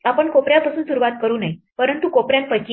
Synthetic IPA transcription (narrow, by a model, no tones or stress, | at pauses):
apəɳkopɾjãpasuːnsuɾuʋat̪̚kəɾuːnaj | pəɾənt̪ukopɾjãnpət͡ɕi